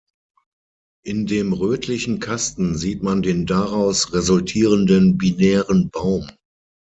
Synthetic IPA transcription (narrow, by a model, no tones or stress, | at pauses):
ʔɪndeːmʁøːtʰlɪçn̩kʰastn̩ziːtmandeːndaʁaʊsʁezʊltʰiːʁəndənbinɛːʁənbaʊm